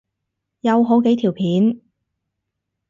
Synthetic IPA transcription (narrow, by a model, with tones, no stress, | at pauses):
jɐ˨wɦo˨˥wke˨˥jt̪ʰi˨˩wpʰiː˨˥n